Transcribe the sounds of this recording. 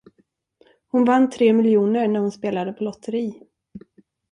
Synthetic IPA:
hʊnvanːt̪ʰɾeːmɪljuːnəɾɳæɾhʊnspeːlad̪əpʰɔlɔt̪ʰːəɾiː

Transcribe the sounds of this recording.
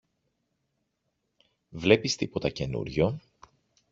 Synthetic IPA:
vle̞pist̪ipo̞t̪ɐce̞nṵɾʝo

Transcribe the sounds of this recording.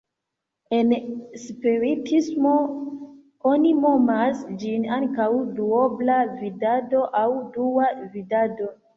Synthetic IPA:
e̞nspiɾitʰismo̞ | onimo̞masd͡ʒinaŋkawduoblavidado̞ʔawduavidado̞

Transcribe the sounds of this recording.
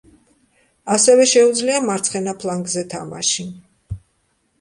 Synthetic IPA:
asɛvɛʃɛud̪zliamaɾt̪sʰχɛnapʰlaŋɡzɛt̪ʰama̰ʃi

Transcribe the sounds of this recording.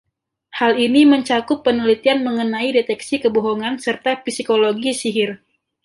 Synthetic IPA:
haliniməɲt͡ʃakʊpːənulit̪ianməŋənaidet̪ɛksikəboɦoŋansərt̪afisikoloɡisiɦɪr

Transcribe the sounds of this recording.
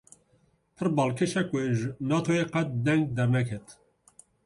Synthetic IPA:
pʰɨɾbɑːlkʰeʃɛkweʒnɑːt̪ʰoeqɛt̪̚d̪ɛŋɡ̚d̪ɛɾnɛkʰɛt̪

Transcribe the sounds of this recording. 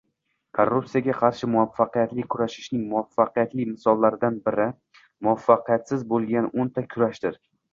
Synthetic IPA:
kʰoɾːupsijaɡʲaqʰɑɾʃɪmʊafːɑqɨjat̪lɪkʲʰʊɾaʃɪ̥ʃnɪŋmʊafːɑqʰɨjat̪lɪmɪsɒlˠːaɾɪd̪anbɪɾɪ | mʊafːɑqɨjat̪sɪzbolˠɡʲanʔont̪ʰakʲʰʊɾaʃd̪ɪɾ

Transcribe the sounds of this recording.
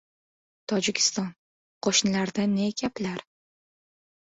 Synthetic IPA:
t̪ʰɒd͡ʒɪkʲʰɪ̥st̪ɒn | qʰoʃnɪlaɾd̪annekʲʰaplaɾ

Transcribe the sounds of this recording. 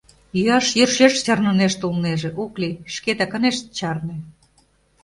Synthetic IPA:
jyɑʃjərʃeʃt͡ɕɑrnə̆neʃt̪ulneʒĕʔoklʲiʃket̪ɑkə̆neʃt̪̚t͡ɕɑrne

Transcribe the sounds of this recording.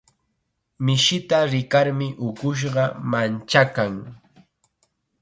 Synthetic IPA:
mɪʃɪt̪aɾɪkaɾmɪʔʊkʊʃ̬ɢɑmant͡ʃakaŋ

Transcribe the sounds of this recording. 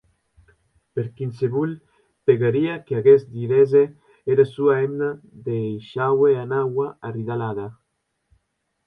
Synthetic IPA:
peɾkinseβul | peɣaɾiakeaɣezd̪iɾeze | eɾasuaemnaðejʃaweanawaariðalaða

